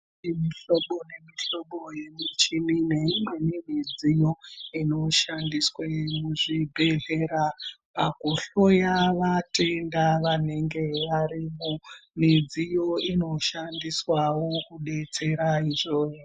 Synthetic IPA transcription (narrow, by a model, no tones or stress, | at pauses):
nimiɬoɓonemiɬo̞ɓoje̞mit͡ʃinineimɡwenimid͡zijoino̞ʃandiswemuʐibʱe̞ɮe̞ɾapakoɬo̞jaʋate̞ndaʋane̞ŋɡe̞ʋaɾimumid͡zijo̞ino̞ʃandiswawokuɗe̞t͡se̞ɾaiʐoː